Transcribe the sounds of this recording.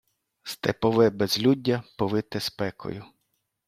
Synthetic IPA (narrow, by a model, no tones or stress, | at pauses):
st̪ɛ̰pɔʋɛbɛzlʲudʲːɐpɔʋɪt̪ɛspɛkʰɔ̰jʊ